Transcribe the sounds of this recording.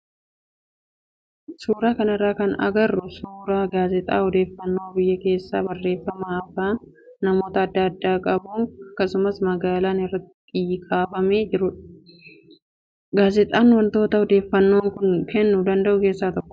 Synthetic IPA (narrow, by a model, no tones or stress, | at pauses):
suːɾaːkɐnɐrːaːkɐnɐ̰ɡɐrːʊsuːɾaːɡaːzɪt̪ʼa̰ːhɔd̪e̞ːfːɐnːoːbɪjːɐke̞ːsːa̰ːbɐrːe̞ːfːɐmaːɐfaːnː | ɐmo̞ːt̪ɐːd̪ːɐɐd̪ːaːkʼɐbuːɐkːɐsʊmɐsmɐɡaːlaːnɪrːɐt̪ːɪɪɪjːɪkʼaːfɐme̞ːd͡ʒɪɾʊᶑ | ɡaːzɪt̪ʼaːnwɐnt̪o̞ːt̪ɐhɔd̪e̞ːfːɐnːo̞ːŋkʊnkɛnːud̪ɐnd̪ɐʔʊke̞ːsːaːt̪ɔkːɔ̥